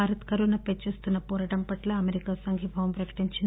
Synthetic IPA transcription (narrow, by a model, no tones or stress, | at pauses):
aːɾɐt̪kɐɾunɐpet͡ʃːeːst̪unːɐpɔːɾɐʈɐmpɐʈlɐɐmeɾikaːsɐŋɡʱjɐbʱɐʋɐmpɾɐkɐ̥ʈiɲt͡ʃind̪